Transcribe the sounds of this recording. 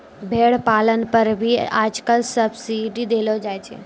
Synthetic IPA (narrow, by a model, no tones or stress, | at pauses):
bʱeːɽpaːlənpəɾbʱia̰ːd͡ʒkəlsəbsiɖid̪eːlod͡ʒaːjt͡ʃʰḛ